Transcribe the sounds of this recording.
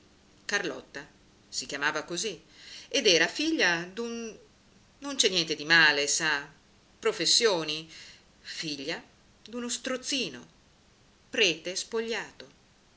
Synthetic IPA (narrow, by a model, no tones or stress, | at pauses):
karlɔt̪ːa | sik̟jamaːvakozi | ed̪ɛːɾafiʎːad̪unː | ont͡ʃɛnːjɛnt̪ed̪imaːlesa | pɾofesːjoːni | fiʎːa | d̪unost̪ɾot̪sːiːno | pɾɛːt̪espoʎːaːt̪o